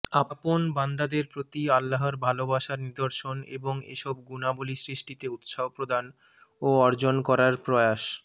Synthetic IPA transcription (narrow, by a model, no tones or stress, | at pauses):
aponband̪ad̪eɾpɾot̪ialːaɦaɾbʱalobaʃaɾnid̪oɾʃonḛboŋḛʃɔb̚ɡunabolisɾiʃʈit̪eut̪ʃaɦopɾod̪an | oɔɾd͡ʑonkɔɾaɾpɾɔeaʃ